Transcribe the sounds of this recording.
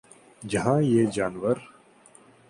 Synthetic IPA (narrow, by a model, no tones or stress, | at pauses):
d͡ʒɐɦãːjeːd͡ʒaːnʋəɾ